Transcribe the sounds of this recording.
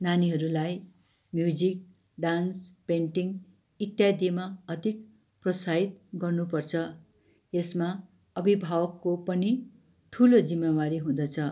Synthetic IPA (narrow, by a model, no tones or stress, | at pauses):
naniɦʌɾulaj | mjud͡zik̚ | ɖanspeɳʈiŋ | it̪jad̪ʱimaʌd̪ik̚ | prʌsait̪ɡʌrnupʌrt͡sʰʌ | esma | ʌbʱibʱawʌkːopʌni | ʈʰulod͡zimːawaɾiɦũd̪ʌt͡sʰʌ